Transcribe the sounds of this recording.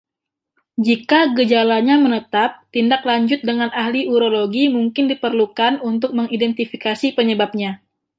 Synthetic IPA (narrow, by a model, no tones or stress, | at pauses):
d͡ʒikaɡəd͡ʒalaɲamənət̪ap̚t̪indaklaɲd͡ʒʊt̪̚dəŋanʔahliuɾoloɡimuŋkɪndipərlukanunt̪ʊk̚məŋidɛnt̪ifikasipəɲəbap̚ɲa